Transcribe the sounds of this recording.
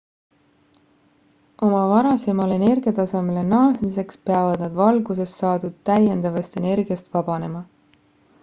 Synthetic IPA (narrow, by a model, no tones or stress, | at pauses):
o̞mɑvɑɾɑse̞mɑle̞ne̞rɡ̥ijɑt̪ɑsɑmele̞nɑːsmise̞kspe̞ɑvɑd̪̥nɑd̪vɑlɡ̥use̞st̪ːɑːd̪ud̪̥̚t̪æjend̪ɑvɑst̪e̞ne̞rɡ̥ijɑst̪vɑb̥ɑne̞mɑ